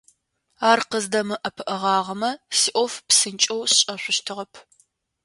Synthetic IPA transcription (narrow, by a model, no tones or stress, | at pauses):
aːrqəzdɐmɨʔɐpʰɨʔɐʁɑːʁɐmɐsiʔʷɔfpsɨnt͡ʃʼɐwɕɕʼɐɕʷʊʃtʰɨʁɐpʰ